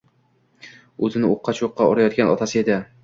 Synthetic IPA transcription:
ɵzɪnɪoqːɑt͡ʃʰoqːɑɒɾajɒt̪̚kʲanɒ̰t̪ʰasɪe̞d̪ɪ

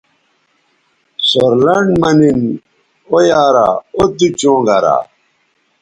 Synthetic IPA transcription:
soɾlɐɳmɐnin | ojaːɾa̰od̪it͡ɕõːŋɡaɾa̰

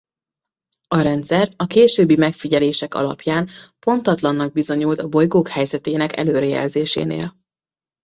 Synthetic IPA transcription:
ɒɾɛnt̪sɛrɒkeːʃøːbːimɛkfiɟɛleːʃɛkɒ̰lɒ̰pjaːnpo̞nt̪ɒt̪lɒnːɒɡ̚bizo̞ɲult̪ɒbo̞jɡoːkhɛjzɛt̪eːnɛkɛ̰løːɾɛjɛ̰lzeːʃḛːnḛːl

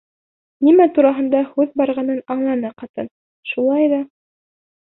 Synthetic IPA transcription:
nimæt̪uɾɑɦɤ̆nd̪ɑhʉðbɑɾʁɑnɤnɑɴlˠɑnɑqɑt̪ɤn | ʃulˠɑjðɑ

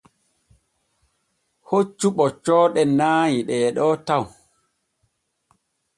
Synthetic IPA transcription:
hot͡ʃːuɓɔt͡ʃɔːɗɛnaːjiɗɛːɗɔtaw

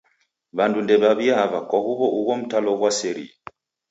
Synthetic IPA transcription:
βandundɛβaβiaβakɔhuβɔʔuɣɔm̩talɔɣwasɛɾḭa

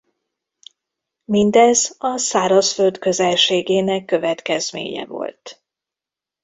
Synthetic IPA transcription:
mind̪ɛzɒsaːɾɒsfø̞ld̪kø̞zɛlʃeːɡeːnɛkːø̞vɛt̪kɛzmḛːɲɛ̰vo̞̰lt̪

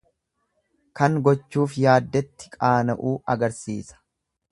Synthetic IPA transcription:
kɐŋɡɔt͡ʃːuːfjaːd̪ːɛt̪ːɪ̥kʼaːnɐʔuːɐɡɐɾsḭːsɐ̥

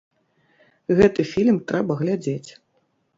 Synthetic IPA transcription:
ɣɛt̪ɨfʲilʲmt̪ɾɛbɐɣlʲad͡zʲet͡sʲ

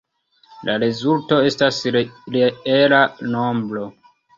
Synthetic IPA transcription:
lʔaɾezulto̞e̞stasɾeelanombɾo̞

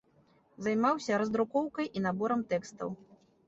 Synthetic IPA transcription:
zajmawsʲɐɾɐzd̪ɾukɔwkɐjʔinabɔɾɐmt̪ɛkst̪ɐ̰w

